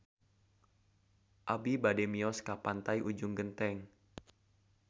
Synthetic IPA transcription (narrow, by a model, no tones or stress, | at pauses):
ʔabibadɛmiɔskapant̪aiʔud͡ʒʊŋɡənt̪ɛŋ